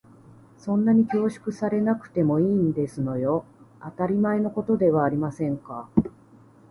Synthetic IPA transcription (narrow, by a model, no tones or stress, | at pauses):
sõ̞nːaɲ̟ikʲo̞ːɕi̥kɯ̟saɾe̞nakɯ̟̥t̪e̞mo̞iːnd̪e̞sɨno̞jo̞ | at̪aɾʲimaeno̞ko̞t̪o̞d̪e̞β̞aːɾʲimasẽ̞ŋka